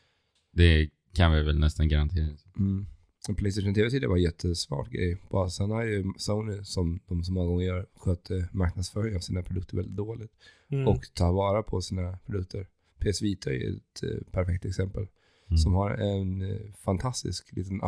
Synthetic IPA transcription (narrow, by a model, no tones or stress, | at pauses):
d̪ɛ | kʰanvɪvɛlnɛst̪anɡaɾant̪ʰeːɾɪ | pʰlɛɪseɪʂənt̪eːvɛt̪iːd̪ə̰vaɾjɛt̪ʰːəsmɑ̰ːʈɡɾɛ̰jːb̥ɑsɛnhaɾjɵsaʊnɪsɔmd̪ɔmsɔmːɔŋːaɡɔŋːəɾjœːɾɧøːt̪ʰəmaɾknad̪sfœːɾɪŋavsiːnapʰɾʊd̪ɵkt̪əɾvɛld̪ɪt̪̚d̪oːlɪɡ̚t̪ | ɔkt̪ʰɑːɾvɑːɾapʰɔsiːnapʰɾʊd̪ɵk̚t̪ʰəɾ | pʰeːɛsviːt̪ʰaɛ̰j̰ɛ̰t̪pʰæɾfɛk̚t̪ɛksɛmpəl | sɔmhaɾɛnfant̪ʰast̪ɪ̰sklḭːt̪əna̰